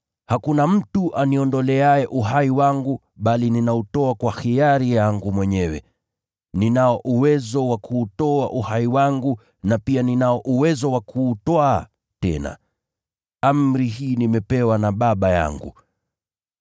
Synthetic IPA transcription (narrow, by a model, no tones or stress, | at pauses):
hakunam̩tuʔaniɔndɔlɛajɛʔuɦaiwaŋɡu | ɓalininautɔakwaxiaɾijaŋɡumwɛɲɛwɛ̰ | ninaɔʔuwɛzɔwakʰuːtɔaʔuhaiwaŋɡu | napianinaɔʔuwɛzɔwakʰuːtwaː | tɛ̰na̰ | am̩ɾiɦiːnimɛpɛwanaɓaɓaja̰ŋɡṵ